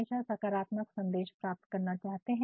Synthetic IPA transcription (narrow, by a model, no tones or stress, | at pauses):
ʃasɐkaːɾaːt̪məksɐ̃nd̪eːʃpɾaːp̚t̪kɐɾnat͡ʃaːɦt̪eɦɛ̃